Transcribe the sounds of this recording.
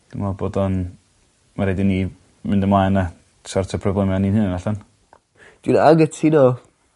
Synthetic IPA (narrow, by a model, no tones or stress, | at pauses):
d̥ɪmɔboːdɔn | maɾedɪni | mɪndəmajna | sɔrtʰɔpʰrɔblɛmjaninhɨnnaɬɔn | d̥unaɡətʰino